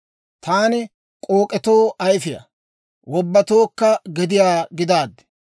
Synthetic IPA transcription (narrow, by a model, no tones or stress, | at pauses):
t̪aːnɪ | kʼoːkʼɛt̪o̞ːʔɐjfɪjɐ̰ | wɔbːɐt̪oːkːɐɡɛd̪ɪjaːɡɪd̪aːd̪ːɛ̥